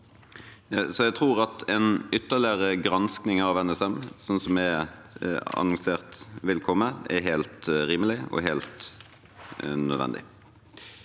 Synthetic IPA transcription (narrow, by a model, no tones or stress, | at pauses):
sɔjæt̪ʰʁuːʁɑt̪ʰɛnʏt̪ːəʁlɪəʁəɡʁɑnsknɪŋɑʋɛnɛsɛmsɔnːsɔmæ | ɑ̰nɔŋseːʁt̪ʋɪlkʰɔmːəɛ̰ɾɦæːlt̪ɾiːməlɪɔ̰ɦɛːlt̪ | nœd̪ʋɛ̰nd̪ɪ̰